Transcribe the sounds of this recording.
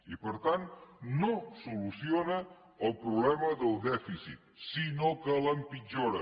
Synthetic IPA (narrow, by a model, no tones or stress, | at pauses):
ipəɾt̪annosulusionə | əlˠpɾuβlɛməðəlˠd̪ɛfisḭt̪sinokələmpid͡ʒoɾə